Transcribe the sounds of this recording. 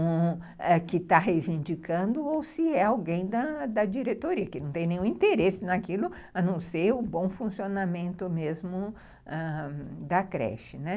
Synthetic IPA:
ɛkɪt̪aɦejvĩnd͡ʒikɐ̃nd̪ʊowsɪɛawɡẽj̃d̪ɐd̪ɐd͡ʒiɾet̪oɾiɐkɪnɐ̃w̃t̪ẽj̃nẽjũĩnt̪eɾesɪnɐkilʊ | ɐnɐ̃w̃sejʊbõw̃fũsionamẽnt̪ʊmezmʊ | ɛd̪ɐkɾɛ̰ʃɪnɛ

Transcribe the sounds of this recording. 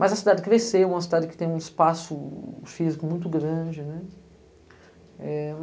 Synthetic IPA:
mʔɐzɐsid̪ad͡ʒɪkɾesew̃mɐs̬id̪ad͡ʒɪkɪ̥t̪ẽj̃ũispasʊfizikʊmũj̃t̪ʊɡɾɐ̃d͡ʒɪnɛ | ɛ

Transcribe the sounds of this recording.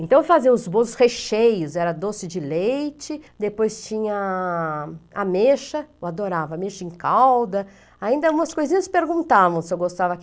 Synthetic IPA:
ẽnt̪ɐ̃w̃fazĩɐ̃ʊzbõzʊsheʃejʊzɛɾɐd̪osɪd͡ʒɪlejt͡ʃɪd̪epojst͡ʃĩɲɐ | ameʃɐoad̪oɾavɐameʃɐẽkawd̪ɐ | aĩnd̪ɐũmɐskojzĩɲɐspeɾɡũnt̪avɐ̃w̃sɪewɡost̪avɐ

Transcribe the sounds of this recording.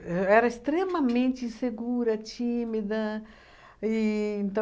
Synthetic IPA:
ɛɾɐest̪ɾẽmɐmẽnt͡ʃɪĩseɡuɾɐt͡ʃĩmid̪ɐ | iẽnt̪ɐ̃

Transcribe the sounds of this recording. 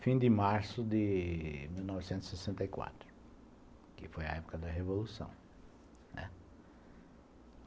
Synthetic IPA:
fĩd̪ɪmaɾsʊd̪ɪmiwnɔvɪsẽnt̪z̥isesẽnt̪ɐikwa̰t̪ɾʊ | kɪ̰fojɐ̰ɛpʊ̥kɐd̪ɐɦevolusɐ̰̃w̃ | nɛ̰

